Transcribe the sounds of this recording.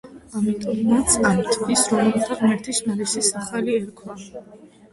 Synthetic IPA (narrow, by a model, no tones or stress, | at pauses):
amit̪ʼɔmːat̪sʰʼant̪ʰisɾɔmɛlχaʁmɛɾt̪ʰiʃnaɾisisaχaliɛɾkʰwa